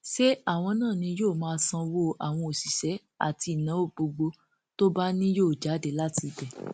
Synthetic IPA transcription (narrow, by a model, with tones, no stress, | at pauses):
ʃe˦a˦˨w̃ɔ̃˧nãː˦˨nĩ˧joː˦˨mãː˦sã˧wo˦a˨w̃ɔ̃˧o˨si˨ʃɛ˨˦ | a̰˨ti˧˦˨nã˨˦o˦˨ɡ͡bo˧ɡ͡bo˧ | to˦ba˦nĩ˦joː˦˨d͡ʒa˨˦de˦˨la˦ti˧bɛ˨